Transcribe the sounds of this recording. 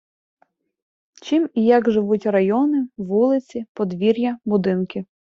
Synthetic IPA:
t͡ʃimijɐɡʒɪʋutʲrɐjɔnɪʋulˠɪt͡sʲipɔd̪ʋʲiɾʲjɐbʊd̪ɪnkɪ

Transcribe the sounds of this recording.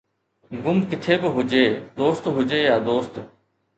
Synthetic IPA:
ɡʊmkɪt̪ʰeːbɪɦʊd͡ʒeːd̪oːst̪ɦʊd͡ʒeːjaːd̪oːst̪

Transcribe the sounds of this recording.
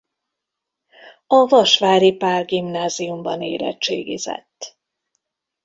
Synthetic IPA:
ɒvɒʃʋaːɾipaːrɡimnaːziumbɒnḛːɾɛ̰t͡ʃːeːɡizɛ̰t̪ː

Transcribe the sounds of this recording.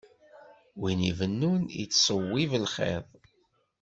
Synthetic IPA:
winivənːunḭt͡sːsˤəwːivəlχḛðˤ

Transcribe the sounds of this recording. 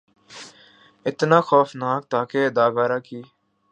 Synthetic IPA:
ɪt̪nãːxoːfnaːk̚t̪aːkeːd̪aːbaːɾaːkiː

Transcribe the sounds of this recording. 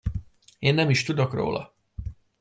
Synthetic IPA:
eːnːɛmiʃt̪ud̪o̞kro̰ːlʔɒ̰

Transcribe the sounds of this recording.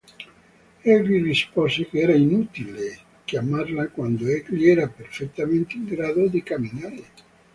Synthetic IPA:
ɛɡlirispɔsekeɛɾainut̪ile | kjamarlakwand̪oɛɡliɛɾaperfet̪ːament̪eiŋɡɾaːd̪od̪ikamːinaɾe

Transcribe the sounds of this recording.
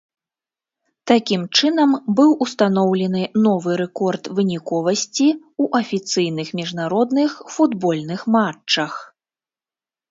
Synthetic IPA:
t̪akʲimt͡ʂɨnɐmbɨwust̪anɔwlʲɛn̪ɨnɔvɨɾɛkɔrt̪vɨnʲikɔvɐsʲt͡sʲi | uʔɐfʲit̪sɨjnɨxmʲiʐnaɾɔd̪nɨxfud̪bɔlʲnɨxmat͡ʂːɐx

